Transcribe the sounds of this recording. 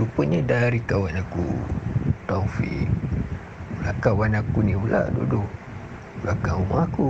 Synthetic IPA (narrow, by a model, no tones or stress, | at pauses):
lupəɲedaɾikawanakṵ | t̪aufḭk̚ | ula̰ʔkawanakuniula̰ʔdṵdu | ulakaumaku